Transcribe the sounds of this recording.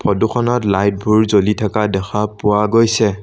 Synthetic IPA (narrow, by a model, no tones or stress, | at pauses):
pʰɔduxʰɔnɔtlajt̚bʱuɹzolitʰakadɛxʰapʊwaɡojsɛ